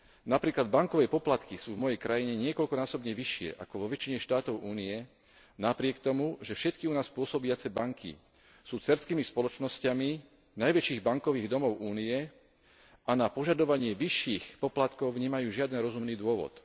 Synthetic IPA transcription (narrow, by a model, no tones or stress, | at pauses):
napɾiːklad̪baŋkɔʋɛːpɔplat̪kisuːvmɔjɛjkɾajiɲɛɲɪɛkɔlkɔnaːsɔbɲɛʋiʃɪɛ̰ʔa̰kɔʋɔʋɛt͡ʃiɲɛʃt̪aːt̪ɔʊʔuːniɛ | napɾɪɛkt̪ɔmuʒɛfʃɛt̪kiunaːspʊɔsɔbiat͡sɛbaŋkʰḭ | suːt͡sɛɾskiːmispɔlɔt͡ʃnɔscami | najʋɛt͡ʃiːɣbaŋkɔʋiːɣd̪ɔmɔʊʔuːniɛ | anapɔʒad̪ɔʋaɲɪɛʋiʃːiːxpɔplat̪kɔʊɲɛmajuːʒɪad̪ɛnɾɔzumniːd̪ʊɔʋɔ̰t̪